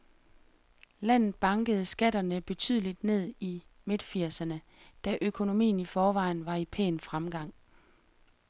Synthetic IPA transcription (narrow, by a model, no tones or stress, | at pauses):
læn̰ð̩ˠb̥ɑ̈ŋɡ̥əð̞̩ˠsɡ̥æd̥ɐnəb̥e̝t͡sʰy̰ð̞̰ˠəlid̥ne̝ð̰ˠime̝d̥fiɐsɐnə | d̥æʔøkʰo̝no̝mḭːn̩ifɒːʋɑ̈ɪn̩ʋɑ̈ipʰḛːnfʁamɡ̥ɑ̈ŋ̰